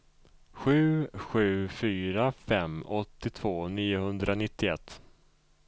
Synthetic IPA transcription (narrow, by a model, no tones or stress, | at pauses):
ɧʉ̟ːɧʉ̟ːfyːɾafɛmɔt̪ːɪt̪ʰv̥oːniːʊhɵnd̪ɾanɪt̪ːɪɛ̰t̪ː